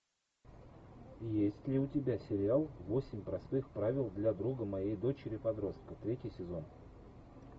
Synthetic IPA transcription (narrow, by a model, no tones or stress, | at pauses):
jesʲtʲlʲɪʊtʲɪbʲasʲɪɾʲɪalˠvo̞sʲɪmʲpɾɐst̪ɨxpɾavʲɪlˠd̪lʲad̪ɾuɡəmɐjejd̪o̞t͡ɕɪɾʲɪpɐd̪ɾo̞st̪̚kət̪ɾʲetʲɪjsʲɪzo̞n